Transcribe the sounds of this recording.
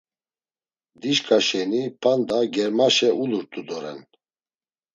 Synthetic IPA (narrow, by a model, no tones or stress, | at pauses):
d̪iʃkʼʰaʃɛnipʰand̪aɡɛɾmaʃɛʔuluɾt̪ʼud̪ɔɾɛ̰n